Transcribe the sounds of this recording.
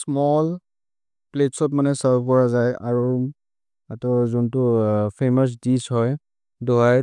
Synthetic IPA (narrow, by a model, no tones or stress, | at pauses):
smɔl | pletsɔtmanɛsabkɔɹazaja̰ɹu | atɔzɔntʊpʰemɔs̬dishɔj | dɔɦaj